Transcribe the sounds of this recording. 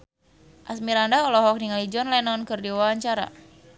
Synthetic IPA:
ʔasmiɾandaɔlɔɦɔk̚niŋalid͡ʒɔnlɛnɔnkɨrdiwaaɲt͡ʃaɾa̰

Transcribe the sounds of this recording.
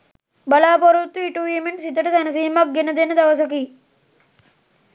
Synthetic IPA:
bɐlaːpoɾut̪ːuiʈuiːmeɳʈsit̪əʈəsænɐs̬iːmak̚ɡenəd̪enəd̪aʋəs̬ɐkiː

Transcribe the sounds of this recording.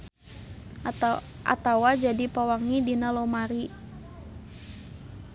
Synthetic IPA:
ʔa̰t̪awad͡ʒadipawaŋidinalomaɾi

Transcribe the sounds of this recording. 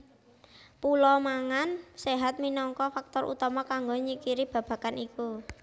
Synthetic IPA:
pulɔmaŋanseɦat̪̚minɔŋkɔfak̚t̪ɔɾʔṵt̪ɔmakaŋɡoɲikiɾib̥a̤b̥a̤kaniku

